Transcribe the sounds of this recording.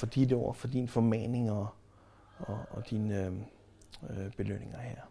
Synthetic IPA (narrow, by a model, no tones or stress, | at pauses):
fɒ̽d̥id̥əɒʊɐfɒ̽d̥infɒ̽mɛne̝ŋɒ | ɒːd̥in | b̥e̝løn̰e̝ŋɐhɛɐ̰